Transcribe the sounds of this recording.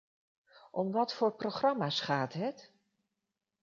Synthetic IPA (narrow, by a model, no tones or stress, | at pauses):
ʔɔmʋɑtfʊːɹproχrɑmaːsχaːtɦət